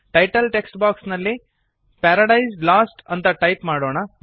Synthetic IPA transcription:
ʈɐjʈɐlʈeksʈbaːksnɐlːi | pɛːɾɐɽɐjslaːsʈɐnt̪ɐʈɐjpmaːɽoːɳɐ

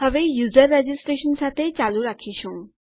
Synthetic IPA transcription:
ɦəʋejuzəɾːed͡ʒisʈɾeʃənsat̪ʰet͡ɕaluɾakʰiʃũ

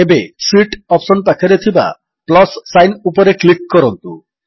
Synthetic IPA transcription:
ebeswiʈɔpsonpakʰaɾet̪ʰiba̰ | plɔsːajnupoɾeklik̚ːɔɾɔnt̪u

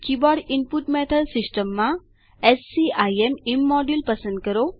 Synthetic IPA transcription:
kibɔɖimpuʈmɛʈʰəlsisʈəmːã | esːiajemimːɔɖilpəsə̃nd̪̚kəɾo

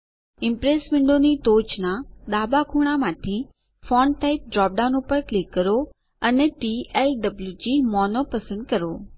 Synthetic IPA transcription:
ɪ̃mpɾeːsmɪ̃ɳɖonit̪oːt͡ɕnaɗ̪aːbakʰuːɽ̃amãːt̪ʰi | fɔːnʈaːɪp̚ɖɾɔːp̚ɖaʊ̃nupəɾklɪkːəɾo | ənɛʈielɖəbljud͡ʑimɔːnopɐsə̃nd̪kɐɾoː

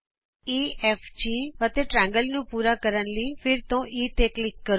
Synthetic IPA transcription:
iːɛːft͡ʃiːʋət̪eːʈɾɛ̃ːŋɡəlnũːpuːɾaːkəɾənliːpʰɪɾt̪õːʔiːt̪eːklɪkːəɾ

